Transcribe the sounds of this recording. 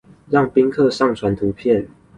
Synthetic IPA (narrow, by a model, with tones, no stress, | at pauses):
ɻɑ˥˨ŋpi˦ŋkʰɤ˥˨ʂɑ˥˨ŋt͡sʰwa˨˦nt̪ʰu˨˦pʰjɛ˥˨n